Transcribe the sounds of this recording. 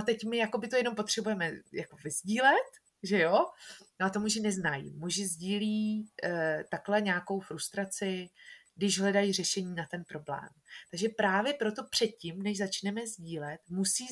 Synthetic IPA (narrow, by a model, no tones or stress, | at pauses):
at̪ɛcmɪjakobɪt̪ojɛno̞mpo̞t̪r̝̥ɛbujɛmɛjako̞vɪzɟiːlɛt̪ | ʒɛjonoat̪omuʒɪnɛznajḭmuʒɪzɟiːliː | t̪aklɛɲaːko̞wfɾust̪ɾat͡sɪɡdɪʒɦlɛdajiːrɛʃɛɲiːnat̪ɛnpɾo̞blɛ̰ːmt̪aɡʒɛpɾaːvjɛpɾo̞t̪o̞pr̝̥ɛt̪̚cɪmnɛʒzat͡ʃnɛmɛzɟiːlɛt̪musiː